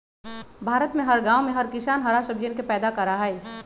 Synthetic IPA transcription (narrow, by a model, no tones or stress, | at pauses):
bʱaːɾət̪mẽɦɐɾɡãːomẽɦɐɾkɪsaːnɦɐɾasəbd͡ʒenkepɛːd̪akɐɾaɦɛe